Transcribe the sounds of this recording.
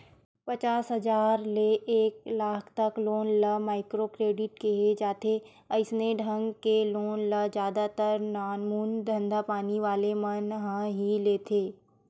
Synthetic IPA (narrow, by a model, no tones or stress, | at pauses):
pɐt͡ʃaːsɦɐzaːɾleʔeːklaːkʰt̪ɐkloːnlɐmaːɪkɾokɾeːɖɪʈ̚keɦed͡ʒaːt̪ʰe | ɐɪsneɖʱɐ̃ŋɡkeloːnlɐd͡ʒjaːd̪at̪əɾnaːnmuːnd̪ʱɐ̃nd̪ʱapaːniʋaːlemɐnɦə̃ɦileːt̪ʰeː